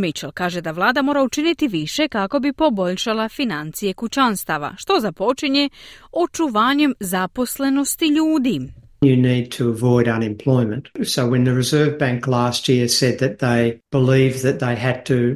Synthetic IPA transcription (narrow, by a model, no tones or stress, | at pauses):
mit͡ʃelkaːʒe̞d̪aʋlˠaːd̪amo̞ːɾaut͡ʃinit̪iʋiʃe̞kako̞bipo̞bo̞ʎʃalˠafinant̪sije̞kut͡ʃanst̪aʋa̰ʃt̪o̞zapo̞t͡ʃiɲe̞o̞t͡ʃuʋaːɲe̞mzapo̞sle̞no̞st̪iʎuːd̪i | jɨnid̚tʰɨəvɔɪɾʌ̃nɨ̃mpʰl̥ɔɪmɨ̃ntsoʊwɨ̃nðɨɹɨzɜ˞vbæ̃ŋklæst̚jɪɹsɛd̪̚ðɨt̪̚ðeɪb̥əlivðɨt̪̚ðeɪɨd̚tʰɨ